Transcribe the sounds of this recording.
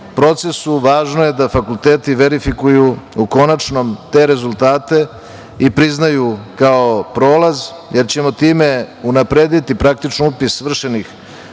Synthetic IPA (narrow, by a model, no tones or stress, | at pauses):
pɾo̞t̪se̞suʋaːʒno̞je̞d̪afakulˠt̪eːt̪iʋe̞ɾifikujuuko̞nat͡ʂno̞mt̪e̞ɾe̞zult̪aːt̪e̞ | ipɾiznajukaopɾo̞ːlaz | je̞ɾt͡ɕe̞mo̞t̪iːme̞unapɾeːd̪it̪ipɾak̚t̪it͡ʃniupisʋr̩ʃenix